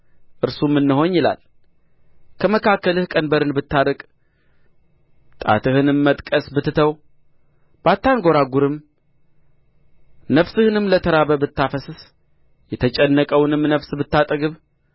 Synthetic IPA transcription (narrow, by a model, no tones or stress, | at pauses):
ʔɨɾsumːɨnːɨɦo̞ɲjɪla̰l | kʰəməkʰakːəlɨhkʼənbəɾɨnbɨt̪ːaɾəkʼ | t̪ʼa̰t̪ʰɨhɨnɨmːət̪ʼkʼəsbɨt̪ːɨt̪ʰəw | b̥at̪ːanɡo̞ɾaɡuɾɨm | nəβsɨhɨnɨmlət̪ʰəɾaβəbɨt̪ːafəsɨs | jɛt̪ʰət͡ʃʼɛnːəkʼəwnɨmnəβsbɨt̪ːat̪ʼəɡɨβ